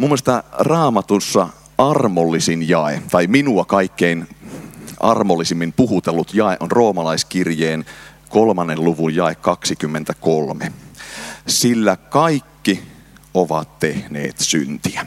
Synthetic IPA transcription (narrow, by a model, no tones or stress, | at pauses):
mumːoest̪ɑrɑːmɑt̪usːɑ | ɑrmolːisinjɑet̪ɑiminuɑkɑikːein | ʔɑ̰rmolːisimːimpuhut̪elːut̪jɑˑeʔonroːmɑlɑiskirjeːn | kolmɑnːelluʋujjɑekkɑksikymːent̪ækolmḛ | silːækɑikːi | oʋɑ̰t̪tehnḛːt̪synt̪iæ